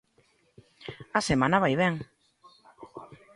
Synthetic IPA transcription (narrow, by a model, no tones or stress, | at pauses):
ɐsemãnɐβajβɛŋ